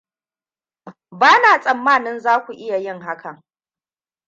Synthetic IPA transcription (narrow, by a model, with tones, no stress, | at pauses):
baː˦naː˨sʼɐ˨mːaː˦˨nɪ˦nzaː˦kʷu˨ʔɪ˦ja˨jɪ˦ŋɦa˦kɐ˨ŋ